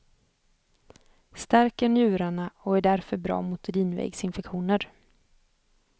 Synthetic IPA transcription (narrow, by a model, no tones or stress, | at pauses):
st̪æɾkəɳjʉ̟ːɾaɳaɔæɖæɾfœɾbɾɑ̰ːmʊt̪əɾiːnvɛ̰ɡsɪnfɛkɧuːnəɾ